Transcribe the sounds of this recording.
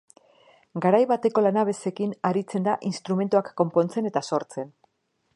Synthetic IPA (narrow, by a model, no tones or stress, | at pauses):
ɡaɾajβat̪e̞ko̞lanaβe̞se̞kinaɾit͡se̞nd̪aʔinst̪ɾume̞nt̪uakːo̞mpo̞nt͡se̞ne̞t̪aso̞ɾt͡se̞n